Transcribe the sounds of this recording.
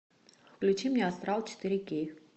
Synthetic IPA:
fklʲʊt͡ɕimnʲɛɐst̪ɾalˠt͡ɕɪ̥t̪iɾʲɪkʲej

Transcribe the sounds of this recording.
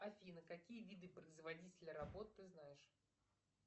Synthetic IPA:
ɐfʲinəkɐkʲijəvʲid̪ɨpɾəɪzvɐdʲitʲɪlʲəɾɐbo̞t̪ːɨznajɪʂ

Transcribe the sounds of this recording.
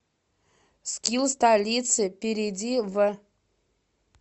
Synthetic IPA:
skʲilˠstalʲisʰɨpʲeɾʲedʲivɨ

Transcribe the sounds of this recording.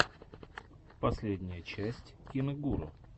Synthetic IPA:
pɐsʲlʲedʲnʲɪjət͡ɕæsʲtʲkʲɪnɨɡuɾə̰

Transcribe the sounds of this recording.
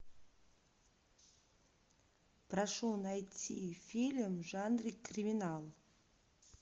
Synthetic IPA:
praʂonajtʲʰifʲilʲmʐanrikrʲimʲinalˠ

